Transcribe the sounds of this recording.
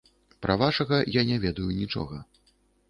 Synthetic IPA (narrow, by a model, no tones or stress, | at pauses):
pɾʔɐvaʂɐɣɐjanʲɛvʲɛd̪ɐjunʲit͡ʂɔ̰ɣɐ